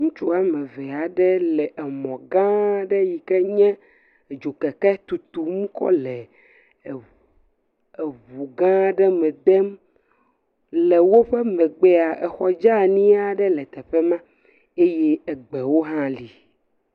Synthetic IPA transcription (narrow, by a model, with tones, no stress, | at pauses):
ŋũ˦t͡ʃu˦a˦mɛ̃˨vɛ˨a˨ɖɛ˦lɛ˨ʔɛ˨mɔ̃˨ɡã˦ɖɛ˦ji˨kɛ˦ɲɛ̃˦˨ | d͡ʒu˨kɛ˨kɛ˦t̪u˨t̪u˨mũ˦kɔ̰˦lɛ˨ | e˨βu˨ɡã˦ɖɛ˦mɛ̃˨d̪ɛ˦m | le˨wo˦ɸɛ˦mɛ˨ɡ͡be˦a˨ɛ˨xɔ˦d͡ʒa˦ɲĩ˦a˨ɖɛ˦lɛ˨t̪ɛ˨ɸe˦mã˦ | e˦je˦e˨ɡ͡be˨wo˦ɦã˦li˨